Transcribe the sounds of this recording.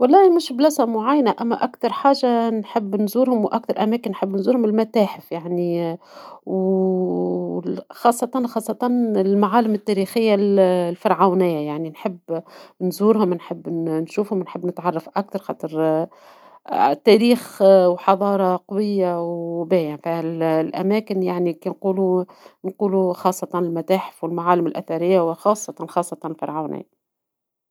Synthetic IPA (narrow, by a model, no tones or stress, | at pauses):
walːɑːmɪʃblæsamʊʕajːnaʔæmːæʔakt̪ɑɾˤħaːʒanħɪbːnzuːɾhʊmwʔak̚t̪ɑɾˤʔæmæːkɪnːħɪbːnzuːɾhʊmɪlmat̪aːħɪfjaʕni | w | xɑːsˤːɑt̪ˤɑnxɑːsˤːɑt̪ˤɑnɪlmaʕaːlɪmɪt̪ːæːɾiːxɪjːallfɑɾˤʕawnɪjːajaʕninħɪbːnzuːɾhʊmnħɪbːnʃuːfhʊmnħəbːnɪt̪ʕɑrˤːɑfʔak̚t̪ɑɾˤxɑːt̪ˤɨɾ | t̪ːæːɾiːxwħɑðˤɑːɾˤɑqɑwɪjːawbæːjɪnfallʔæ̰mæːkɪnjaʕnikinquːlu | nquːluxɑːsˤːɑt̪ˤɑnɪlmæt̪aːħɪ̥fwɪlmaʕaːlɪmɪlʔæ̰θaɾɪjːawɪxɑːsˤːɑt̪ˤɑnxɑːsˤːɑt̪ˤɑnɪlfɑ̰ɾˤʕawnʔɪ̰jːa